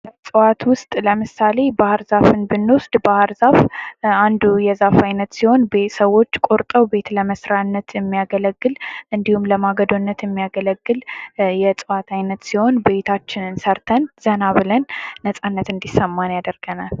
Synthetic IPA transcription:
əsʼɨwat̪wʊst̪ʼləmɨsale̞bahɨɾzafɨnbɨnːosd̪bahɨɾzafand̪ujɛzafajnət̪siho̞nbesəwːo̞t͡ʃːkʼo̞ɾt̪ʼəwbe̞t̪ləməsɾanːət̪jɛmːijaɡələɡːɨlʔɨnd̪ihumləmaɡəd̪onːət̪jɛmːijaɡələɡːɨljɛt͡sʼɨwat̪ʰajnət̪siho̞nbe̞t̪ʰat͡ʃːɪnɨnsəɾt̪ʰənz̥ənaβɨlənːəsʼanːət̪ɨnd̪isəmːanjad̪əɾɡ̥ənal

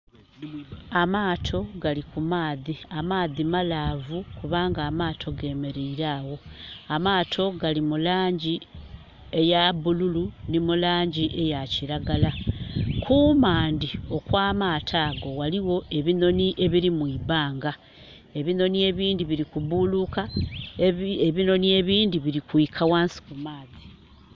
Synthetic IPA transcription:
amaːtʰo̞ɡalikumaːðiamaːðimalaːvukuβaːŋɡaːmaːtʰo̞ɡe̞ːme̞ɾeiɾaːwo̞amaːtʰo̞ɡalimulaːɲɟi | e̞jaβululunimulaːɲɟiʔe̞jaciɾaɡalakʰumaːndio̞kwaːmaːtʰaːɡo̞waliwo̞ʔe̞βino̞niʔe̞βiɾimwiːβaːŋɡa | e̞βino̞nie̞βiːndiβiɾikuβuluka | eβino̞nie̞βiːndiβiɾikwiːkʰawaːnsi̥kumaːzi̥

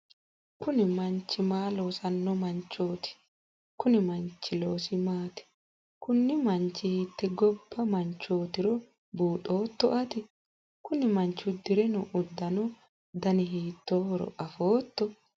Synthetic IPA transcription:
kʊnɪmɐnt͡ʃːɪmaːlo̞ːsɐnːɔmɐnt͡ʃːo̞ːt̪ɪ̥ | kʊnɪmɐnt͡ʃːɪlo̞ːsɪmaːt̪ɛ̥ | kʊnːɪmɐnt͡ʃːɪhiːt̪ːɛɡɔbːɐmɐnt͡ʃːo̞ːt̪ɪɾɔ | buːt̪ʼo̞ːt̪ːɔʔɐt̪ɪ | kʊnɪmɐnt͡ʃːʊd̪ɪɾɛnʊʔʊd̪ːɐnɔ | d̪ɐnɪɦiːt̪ːoːwɔɾɔ̰ʔɐfo̞ːt̪ːɔ

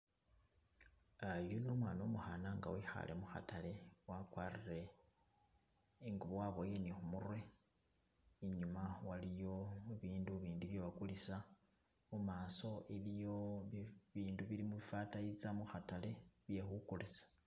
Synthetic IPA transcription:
ajuno̞mwaːno̞muxanaŋɡa̰wixa̰lʔe̞̰muxa̰tale̞wakwaːrire̞ | ŋɡuβowaβo̞je̞nixumurwe | iɲumawalijo̞muβiːnduβiːnduβjeβakulisa | mumaːso̞ʔelijo̞ | βiːnduβilimuβifatajit͡samuxatale̞βje̞xukulisḁ

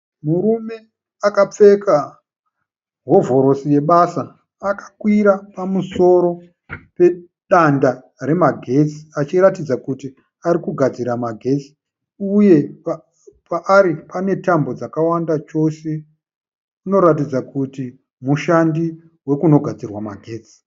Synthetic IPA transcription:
muɾume̞ | akap͡fe̞ka | ɦo̞vo̞ɾo̞sije̞ɓasaː | kḁkwiɾapamuso̞ɾo̞ | pe̞ | ɗanda | ɾe̞maɡʱe̞t͡si̥at͡ʃiɾatid͡zakuti | aɾikuɡʱad͡ziɾamaɡʱe̞t͡si̥ | uje̞p | paʔːɾipane̞tambo̞d͡zakawandat͡ʃo̞se̞ | uno̞ɾatid͡zakuti | muʃandi | we̞kuno̞ɡʱad͡zirwamaɡʱe̞ːt͡si̥

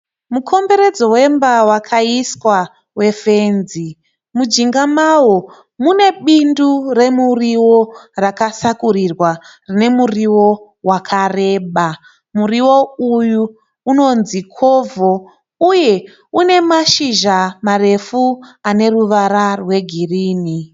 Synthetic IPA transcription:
mukʰo̞mbe̞ɾe̞d͡zo̞we̞mbawakʰaiskwa | we̞fe̞nzi | mud͡ʒiŋɡamawo | mune̞ɓindure̞muriwo̞rakasakurirwarine̞muriwo̞ | wakʰare̞ːɓa | muriwo̞ujuː | no̞nzikʰovo | uje̞ | une̞maʃiʒamare̞fuane̞ruʋaɾarwe̞ɡʱiriːni

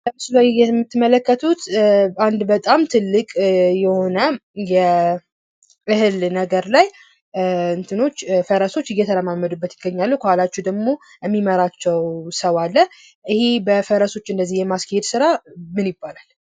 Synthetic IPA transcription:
ləmɨsulajjɛmːɨt̪ːɨmələkːət̪ʰut̪and̪bət̪ʼamt̪ʰɨlːɨkʼjɛho̞nəjɛ | ʔɨhɨlnəɡəɾlaj | ɨnt̪ʰɨno̞t͡ʃːfəɾəso̞t͡ʃːɨjːɛt̪ʰəɾəmamːəd̪ubːət̪jɪɡːəɲːalːəkʰəhalat͡ʃːɛd̪əɡmo | jɛmːiməɾat͡ʃːɛwsəwalːə | ʔɨhebəfəɾəso̞t͡ʃːɨnd̪əzːihjɛmaskʰəhed̪sɨɾamɨnjɪbːalal

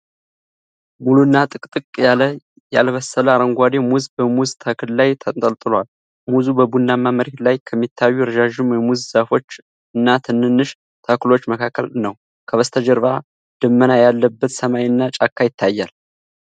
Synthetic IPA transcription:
mulunːat̪ʼɨkʼt̪ʼɨkʼjalə | jalβəsːələaɾəŋɡʷad̪e̞muzbəmuzt̪ʰəkɨllajt̪ʰət̪ʼəlt̪ʼɨlwal | muzubəbunːamːaməɾet̪lajkʰəmːit̪ʰːajːujɾd͡ʒaʒɨmjɛmuzzafo̞t͡ʃː | ɨnːat̪ʰɨnːɨnːɨʃ | t̪ʰəklo̞t͡ʃːməkʰakʰːə̰lnəw | kʰəβəst̪ʰəd͡ʒəɾva | d̪̥ɨmːənajalːəbːət̪səmajɨnːat͡ʃʼakʰːajɪt̪ʰːajːa̰l

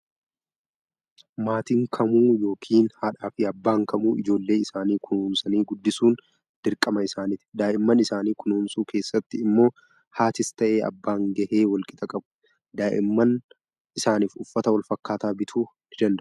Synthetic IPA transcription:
maːt̪ɪŋkʰɐmuːjo̞ːkʰiːnhaᶑaːfɪɐbːaːŋkɐmuːɪd͡ʒo̞ːlːe̞ːɪsaːniːkʊnuːmsɐniːɡʊd̪ːɪsuːn | d̪̥ɪɾkʼːɐmɐɪsaːnɪt̪ɪ̥d̪aːʔɪmːɐnɪsaːniːkʊnuːmsuːkʰe̞ːsːɐt̪ːɪɪmːo̞ː | haːt̪ɪst̪ɐʔe̞ːʔɐ̰bːaːŋɡɐʔeːwɐlkʼɪt̪ʼɐkʼɐbʊ | d̪aːʔɪ̰mːɐn | ʔɪsaːniːfʊfːɐt̪ɐwɐlfɐkːaːt̪aːbɪt̪ʰuː | nɪd̪ɐnd̪ɐʔ

